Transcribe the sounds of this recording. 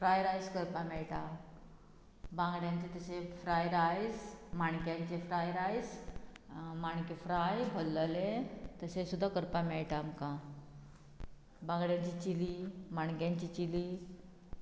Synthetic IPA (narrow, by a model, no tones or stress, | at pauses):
fɾajɾajd͡zkəɾpamɛɭʈa | bãŋɡɽjãɲt͡ɕet̪əsefɾajɾajd͡zmaɳkjãkt͡ɕefɾajɾad͡z | maɳkefɾajbʱəlːəlet̪əsesud̪ʱːakəɾpameɭʈamka | bãŋɡɽjaɲt͡ɕit͡ɕilimaɳɡjãɲt͡ɕit͡ɕili